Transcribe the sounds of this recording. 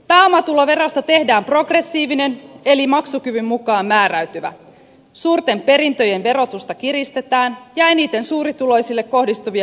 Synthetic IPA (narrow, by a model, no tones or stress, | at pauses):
pæːo̞mɑt̪ulo̞ʋe̞ɾo̞st̪ɑt̪e̞hdæːmpro̞ɡre̞sːiːʋine̞ne̞limɑksukyʋymːukɑːmːæːɾæɥt̪yʋæ̰ | suːrt̪e̞mpe̞ɾint̪ø̞je̞nʋe̞ɾo̞t̪ust̪ɑkiɾist̪e̞t̪æːnjæeniːt̪e̞nsuːɾit̪ulo̞jsilːe̞kːo̞hdist̪uʋiɑ